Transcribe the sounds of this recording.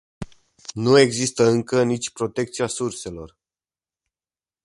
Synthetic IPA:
nue̞ɡzist̪əɨŋkənit͡ʃʲpɾo̞t̪e̞k̚t̪siasurse̞lo̞̰r

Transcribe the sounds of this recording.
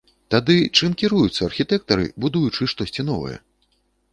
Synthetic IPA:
t̪ad̪ɨt͡ʂɨmkʲiɾujut̪sːɐarxʲit̪ɛk̚t̪ɐɾɨ̰bud̪ujut͡ʂɨʂt̪ɔsʲt͡sʲinɔvɐ̰jɛ̰

